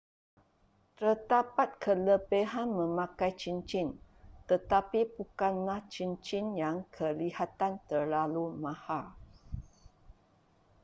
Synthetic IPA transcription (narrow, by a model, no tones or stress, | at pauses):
t̪ərd̪apat̪̚kʰələbeɦanmə̃mãkajt͡ʃint͡ʃint̪ət̪apibukanlaht͡ʃint͡ʃinjaŋkʰəlihat̪ant̪ərlalumãhal